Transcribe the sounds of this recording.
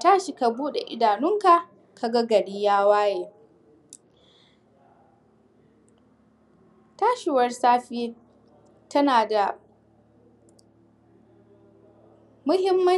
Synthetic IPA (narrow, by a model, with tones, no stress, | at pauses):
taː˦ʃi˨ka˨buː˦ɗḛ˨ʔɪ˦daː˨nʊ˦ŋka˨ | ka˨ɡa˦ɡɐ˨ɽiː˦jaː˦waː˦jeː˨ | taː˦ʃɪ˨wɐ˦rsaː˦ɸiː˦ | tɐ˦naː˨da˨ | mʊ˦hɪ˦mːɐ˦